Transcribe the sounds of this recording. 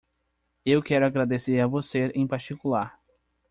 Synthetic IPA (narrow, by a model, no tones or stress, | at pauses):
ewkɛɾʊaɡɾad̪eseɾavoseɾẽj̃paɾt͡ʃikulaɾ